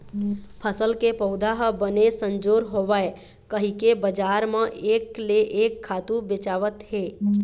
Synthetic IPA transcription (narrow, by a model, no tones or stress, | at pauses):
pʰəsəlkepəʊd̪ʱaɦbənesə̃nd͡ʒoːɾɦoʋae | kəɦikebəd͡ʒaːɾmə̃ʔeːkleʔeːkʰːaːt̪ũbet͡ʃaːʋət̪ɦeː